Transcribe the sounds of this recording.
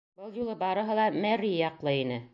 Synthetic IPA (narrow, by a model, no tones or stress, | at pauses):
bɤlˠjulˠɤbɑɾɤ̆ɦɤlˠɑmæɾijɑqlˠɤinɘ